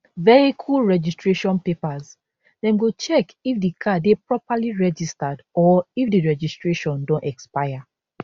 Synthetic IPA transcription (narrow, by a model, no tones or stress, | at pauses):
vɛikʰulɹɛd͡ʒistɹeʃɔ̃npepaz | dɛ̃mɡot͡ʃɛkifdikʰadepɹɔpaliɹɛd͡ʒistadɔifdiɹɛd͡ʒistɹeʃɔ̃ndõntɛkspaja